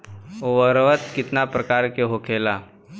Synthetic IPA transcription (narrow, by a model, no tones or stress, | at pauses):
oʋəɾʋət̪kɪt̪napɾəkaːɾkeɦokʰeːlaː